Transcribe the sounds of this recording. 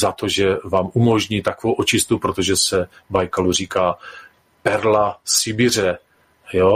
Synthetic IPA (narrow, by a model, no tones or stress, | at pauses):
zat̪o̞ʒɛvaːmumo̞ʒɲiːt̪akovowʔot͡ʃɪst̪upɾot̪oʒɛsɛbajkalur̝iːkaː | pɛɾlasɪbɪr̝ɛ | jo